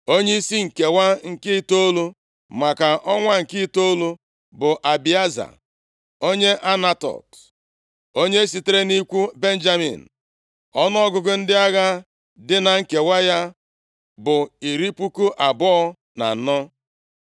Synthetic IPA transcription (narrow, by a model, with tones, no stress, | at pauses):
o˦ɲe˦i˦si˦ŋ̩˨ke˨wa˦ŋ̩˨kɪ˦to˦lu˦ | ma˨ka˨ʔɔ˦ŋʷa˦ŋ̩˨kɪ˦to˦lu˦ | bʊ˨ʔa˨bi˨a˦za̰˨ | o˦ɲe˦ʔa˦na˦tɔ̰˨t | o˦ɲe˦e˦si˨te˦ɾe˦ni˦kʷu˦be˦n̩˦d͡ʒa˦mḭ˨n̩˨ | ɔ˦nɔ˦ɔ˦ɡʊ˨ɡʊ˦n̩˦dɪ˦a˦ɣa˦ | dɪ˦na˨ŋ̩˨ke˨wa˦ja˦ | bʊ˨i˨ɾi˦pu˦ku˦ʔa˨bɔ˦ɔ˦ | na̰˨n̩˨nɔ˦